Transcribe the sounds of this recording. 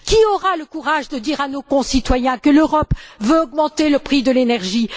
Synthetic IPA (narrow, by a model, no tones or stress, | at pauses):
kʲiɔʁaləkuʁaʒd̪əd̪iʁanokɔ̃sit̪wajɛ̃kəløʁɔpvøɔɡmɑ̃t̪eləpχid̪əlenɛʁʒi